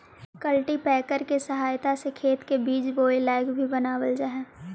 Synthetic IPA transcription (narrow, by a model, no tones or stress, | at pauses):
kəlʈipɛːkəɾkesəɦaːjt̪asekʰeːt̪kebiːt͡ʃboːɪlaːɪkbʱibənaːʋəld͡ʒaːɦɛː